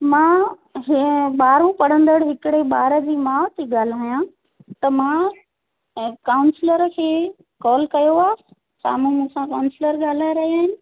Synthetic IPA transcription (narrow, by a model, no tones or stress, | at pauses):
mãː | ɦɓaːɾõpɐɽ̤ə̃nd̪əɽɦɪkɪɽeɓaːɾə̆d͡ʑiːmãːt̪eɠaːl̤aːjã | t̪ɐmãː | kaːʊnsɪləɾkʰeː | kɔːlkɐjoaː | sa̰ːmũmũsãkaːʊ̃nsɪləɾɠaːl̤aːɾɐɦiaːɦɪnɪ̆